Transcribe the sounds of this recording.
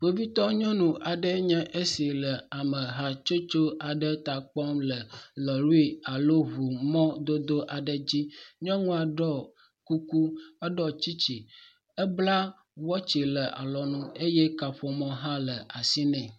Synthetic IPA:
ɸo˨vi˦t̪ɔ˦ɲɔ̃˦nũ˨ʔa˨ɖə˦ɲɛ̃˦ʔe˦si˨lə˨a˨mə˨ɦa˨t͡ʃo˦t͡ʃo˦ʔa˨ɖə˦t̪a˨k͡pɔ˦mlə˨lɔ˨lu˦i˦a˨lo˦βu˨mɔ̃˦d̪o˦d̪o˦ʔa˨ɖə˨d͡ʑi˦ɲɔ̃˦ŋũ˦a˨ɖɔ˦˨ | ku˦ku˦ə˦ɖɔ˦t͡ɕi˦t͡ɕi˨ | ə˦bla˦ | wɔ˦t͡ɕi˨lə˨ʔa̰˨lɔ˨nũ˦e˦jɛ˦ka˨ɸɔ˨mɔ̃˦ɦã˦lə˨a˨si˦nɛ̃˨

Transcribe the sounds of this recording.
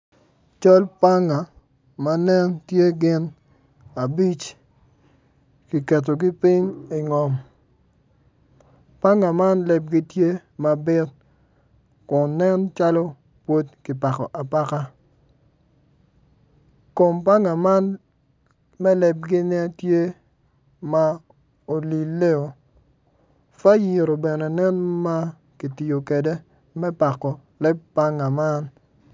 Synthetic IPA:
t͡ʃɔ˦lpa˦ŋa˨ | ma˦nɛ˦ntje˦ɡɪ˦n | a˨bi˦t͡ʃ | ki˨kɛ˨t̬o˨ɡɪ˦pɪ˦ɲi˨ŋɔ˨m | pa˦ŋa˨ma˦nlɛ˨b̚ɡi˦tje˦ma˨bɪ˦t̚ | kʊ˨nːɛ˦nt͡ʃa˦lɔ˦ | pwo˦tkɪ˨pa˨kɔ̰˨ʔa˨pa˦ka˦ | ko˨mpa˦ŋa˨ma˦n | mɛ˦lɛ˨b̚ɡɪ˦nɛ˦tje˦ | ma˦ | o˨li˨lːe˦o˨ | fa˦ji˨ɾo˨bɛ˨nɛ˨nɛ˦nma˦ | ki˨ti˨jo˨ke˨de˦ | mɛ˦pa˨kːɔ˨ | lɛ˦b̚pa˦ŋa˨ma˦n

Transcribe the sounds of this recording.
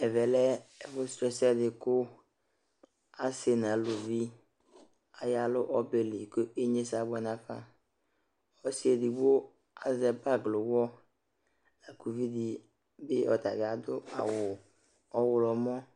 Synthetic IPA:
ɛ˨vɛ˨lɛ˦ɛ˨vʊ˦stɾɛ˨sɛ˦dɪ˨kʊ˦ | a˦se˨n˨ã˨lʊ˨vi˦ | a˨ja˨lʊ˦ʔɔ˦be˨li˨kʊ˦e˦ɲe˦sa˨˦bɔ˦nã˦ka˦ | ɔ˦si˦e˨di˨bo˦ | a˨zɛ˨ba˦ɡlʊ˨wɔ˦ | la˨ku˨vi˦di˨ | bɪ˦ɔ˨t̪a˨ɡɪ˨a˨d̪ʊ˦a̰˨wʊ˨ | ɔ˦wʊ˨lɔ˨mɔ̃˦

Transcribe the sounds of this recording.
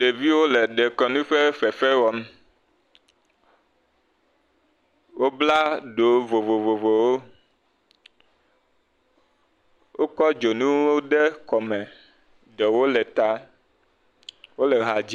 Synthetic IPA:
ɖe˨vi˦wo˦lɛ˨ɖɛ˨kɔ˨nũ˦ɸɛ˦fɛ˨fɛ˦wɔ˨m˦ | wo˦bla˦ɖo˨vo˨vo˨vo˨vo˨wo˦ | wo˦kɔ˦d͡ʒo˨nũ˦wo˦ɖɛ˦kɔ˨mɛ˨ | ɖɛ˨wo˦lɛ˨t̪a˦ | wo˦lɛ˨ɦa˨d͡ʑi˦

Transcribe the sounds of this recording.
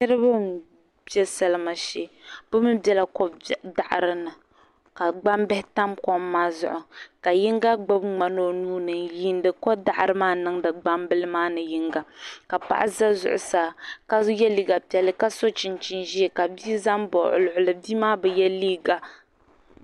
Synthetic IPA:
nɨ˦ɾɨ˦bɨ˦m̩˨ | bɛ˦sa˦˨lɨ˦ma˨ʃe˦bʊ˦mɨ˦bʲɛ˦la˨kɔ˦˨da˨ʔa̰˨ɾɨ˦nɨ˨ | ka˨ɡ͡ba˦mbɛ˦hɪ˦ta˦mkɔ˦mːaː˦zʊ̰˦ʔʊ˨ka˨ji˦ŋɡa˦ɡ͡ba˦bŋ͡ma˨no˦nuː˦nɨ˨nji˦n˦dɨ˨kɔ˦da˦˨ʔa˨ɾɨ˦maː˦nɨ˦ŋdɨ˨ɡ͡ba˦mbɨ˦lɨ˦maː˦nɨ˨ji˦ŋɡa˦ka˨pa̰˦ʔa˦za˦zʊ̰˨ʔʊ̰˨saː˨ka˦jɛ˦li˦ɡa˨pi˨˦ɛ˨lɨ˦ka˦so˦t͡ʃɪ˨nt͡ʃɪ˦nʒi˦ɛ˨ka˨bi˦za˦mbɔ˨ʔʊ̰˨lʊ˨ʔʊ˨lɨ˨bi˦maː˦bɛ˨jɛ˦liː˦ɡa˨

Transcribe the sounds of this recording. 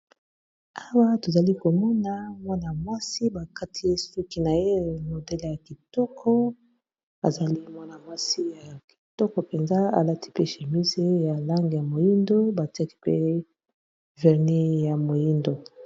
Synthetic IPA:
a˦wa˦to˨za˨li˦ko˨mɔ˦na˦mwa˦na˨mwa˦si˦ba˨ka˦tʰi˦e˦su˦ki˨na˨je˦no˨dɛ˦lja˨ki˨tɔ˦kʰɔ˦ | a̰˨za˨li˦mwa˦na˨mwa˦si˦ja˨ki̥˨tɔ˦kɔ˨pe˨nza˦a̰˨la˦ti̥˦pe˦ʃe˨mi˦ze˦ja˨la˦ŋɡe˨ja˨mo˨ji˦ndo˦ba˨ti˦a˦ki̥˦pe˦ | vɛ˨ʁne˦ja˨mo˨ji˦ndo˨

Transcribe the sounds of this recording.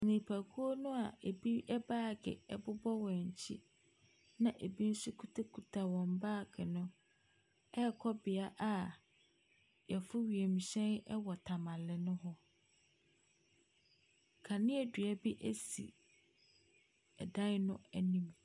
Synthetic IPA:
nĩ˨pʰæ˨kʰu˦o˦nʊ̃˦a˨ʔe˨bi˦ɛ˦baː˦˨ɡɪ̰˨ɛ̰˨bʊ˦bɔ˦wɔ̃˨ɲ̩˨t͡ɕʰḭ˦ | nã˨ʔe˨bi˦n̩˦sʊ˦kʰu˦tʰa˦kʰu˨tʰa˨wɔ̃˨m˨baː˦˨ɡɪ˨nʊ̃˦ | ɛ˦˨kʰɔ˦bɪ˨a˦ʔa˨ | jɛ˨fʊ˦ɥi˨e˨mĩ˨ɕɛ̃˦nɛ˦wɔ˨tʰa˨mã˨lɪ˨nʊ̃˦ɦɔ˦ | kʰa˨nɪ̃˦ɛ˨dɥæ˨bi˦ʔæ˦sḭ˨ | ɛ̰˨dã˦nʊ̃˦ɛ˦nĩ˦m

